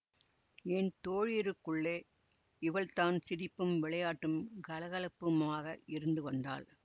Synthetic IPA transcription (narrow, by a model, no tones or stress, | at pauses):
ɛnt̪oːɻɪɾɯkːɯɭːeː | ɪʋɐɭt̪aːnsɪɾɪpːɯmʋɪɭɐjaːʈːɯmɡɐlɐɣɐlɐpːɯmaːɣɐɪɾɯnɖɯʋɐnd̪a̰ːl